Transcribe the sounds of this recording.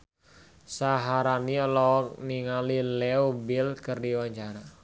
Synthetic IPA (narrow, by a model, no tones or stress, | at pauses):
saɦaɾaniɔlɔkniŋalilɛobɪlkərdiwaɲt͡ʃaɾa